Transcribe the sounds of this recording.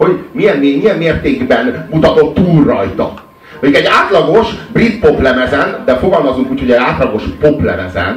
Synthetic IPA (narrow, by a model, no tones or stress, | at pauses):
ho̞ɟmijɛnimijɛmːeːrt̪eːɡbɛnmut̪ɒt̪o̞t̪ːuːlrɒjt̪ɒ̰ | okɛɟaːt̪lɒɡo̞ʃbrit̪po̞plɛmɛzɛnd̪ɛfo̞ɡɒlmɒzuŋkuːcʰho̞ɟɛzaːt̪lɒɡo̞ʃpoplɛ̰mɛ̰zɛ̰n